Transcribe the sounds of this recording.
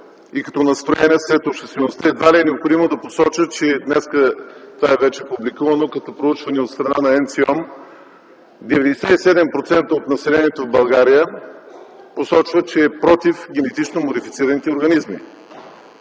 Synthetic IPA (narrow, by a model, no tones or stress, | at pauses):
ikɐ̥t̪ɔnɐst̪ɾojɛniəsɾɛt̪opʃt̪ɛst̪vɛnost̪əɛd̪valiɛnɛopxod̪imod̪ɐposɔt͡ʃət͡ʃɛd̪nɛskət̪ovaɛvɛt͡ʃɛpublikuvɐnokɐt̪ɔpɾout͡ʃvɐnɛot̪st̪ɾɐnanɐɛnsiɔm | d̪ɛvɛd̪ɛsɛisɛd̪ɛmpɾot̪sɛnt̪əot̪nɐsɛlɛniɛt̪ovbɐlˠɡaɾijə | posɔt͡ʃvət͡ʃɛːpɾɔt̪ifɡ̟ʲɛnɛt̪it͡ʃnomod̪ifit̪siɾənit̪ɛoɾɡɐnizmḭ